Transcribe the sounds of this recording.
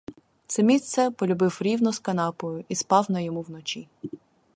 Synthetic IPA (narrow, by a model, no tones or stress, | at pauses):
t̪sɛmʲist̪sɛpɔlʲʊbɪwɾʲiwnɔskɐnɑpɔjʊispɑwnɐjɔmuwnɔt͡ʃʲi